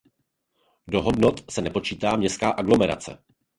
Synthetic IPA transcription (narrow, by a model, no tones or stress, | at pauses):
do̞ɦo̞dno̞t̪sɛnɛpo̞t͡ʃiːt̪aːmɲɛskaːʔaɡlo̞mɛɾa̰t͡sɛ̰